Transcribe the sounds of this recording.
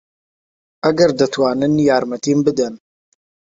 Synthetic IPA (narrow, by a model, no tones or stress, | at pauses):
ʔɐɡɐɾd̪ɐt̪waːnɨnjaːɾmɐt̪iːmbɨd̪ɐn